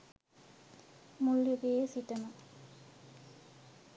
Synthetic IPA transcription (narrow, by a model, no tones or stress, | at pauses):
mulːuɡeːsiʈəmə